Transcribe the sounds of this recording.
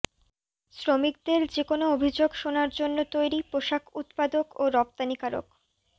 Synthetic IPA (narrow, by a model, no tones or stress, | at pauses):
sɾomik̚d̪eɾd͡ʑekonoobʱid͡ʑoɡʃonaɾd͡ʑonːot̪ojɾipɾoʃakʰut̪pad̪okoɾɔp̚t̪anikaɾo̰k